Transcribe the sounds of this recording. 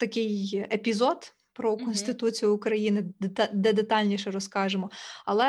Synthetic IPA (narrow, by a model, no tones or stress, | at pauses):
t̪ɐkɪjepʲizɔd̪ | pɾɔkɔnʲsʲt̪ɪt̪ut͡sʲijʊːkɾɐjinɪd̪ɛd̪et̪ɑlʲnʲiʃɛɾɔskɑʒemɔɐlˠɛ